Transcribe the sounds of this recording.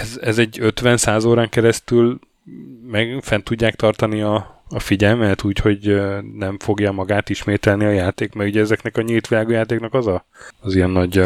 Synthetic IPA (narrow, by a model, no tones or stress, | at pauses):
ɛzɛzɛɟːø̞t̪ʋɛnsaːzoːɾaːŋkɛɾɛst̪yl | mɛɡfɛnt̪uɟːaːkt̪ɒrt̪ɒniɒːfiɟɛlmɛt̪uːcho̞ɟnɛɱfo̞ɡjamɒɡaːt̪iʃmeːt̪ɛlniɒjaːt̪eːkmɛɾuɟɛɛzɛknɛkɒɲilt̪ʋilaːɡojaːt̪eːknɒkɒzɒː | zijɛnːɒɟ